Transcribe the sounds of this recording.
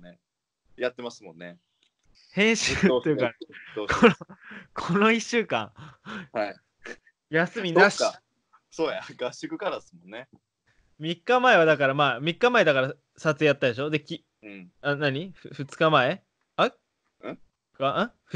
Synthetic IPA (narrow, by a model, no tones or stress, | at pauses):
ne | jat̪ːe̞masɨmõ̞nːe | hẽ̞ɰ̃ɕɨt̪ːejɯkakokʰo̞no̞iɕːɨːkã̰ŋha | jasɨmʲinaɕ | soːjaɡaɕɨkɯ̟kaɾasɨmõnːe | mʲikːamae̞β̞ad̪akaɾamaːmʲikːamae̞d̪akaɾa | sat͡sɨjat̪ːad̪e̞ɕo̞d̪e̞kʲi | ɯ̃anaɲ̟iɸɯɸɯ̟t͡sɨ̥kamae̞ | a | ɯ̃ | kaɯ̃ɸɯ